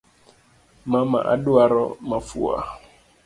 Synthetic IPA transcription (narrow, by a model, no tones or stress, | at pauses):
mama̰ʔa̰ɗuaɾɔmafṵa̰